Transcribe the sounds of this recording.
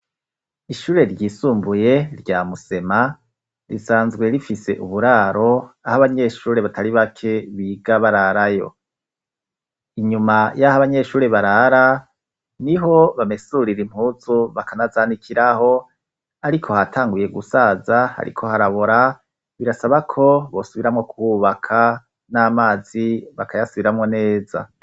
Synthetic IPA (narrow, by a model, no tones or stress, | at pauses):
iʃuːɾe̞ɾɟiːsuːmbuje̞ɾɟaːmuse̞ma | ɾisaːnzɡwe̞ɾifise̞̰ʔuβuɾaːɾo̞ahaβaɲe̞ːʃuːɾe̞βatʰaɾiβakʰe̞βiɡaβaɾaɾajo̞̰ | iɲumajahaβaɲe̞ːʃuːɾe̞βaɾaɾa | niɦo̞βamesuɾiɾim̥huːzuβakʰanazaːnikʰiɾaho̞ | aɾikʰo̞hatʰaːŋɡuje̞ɡusaːzaha̰ɾḭkʰo̞haɾaβoɾa | βiɾasaβakʰo̞βo̞suβiɾamŋo̞kuwuβakʰa | naːmaːziβakʰajasuβiɾamŋo̞ne̞ːza̰